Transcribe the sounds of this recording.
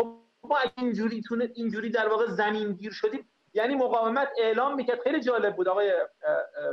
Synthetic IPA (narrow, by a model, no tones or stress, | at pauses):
xob | bmɒːæind͡ʒuːɾiːt̪ʰuːneind͡ʒuːɾiːd̪æɾvɒːɣezæmiːnɟiːɾʃod̪iː | jæniːmoɣɒːvemæt̪ʰe̞ʔlɒːmːiːcæɾd̪̚xe̞jliːd͡ʒɒːle̞b̚bːuːd̪ɒːɣɒːje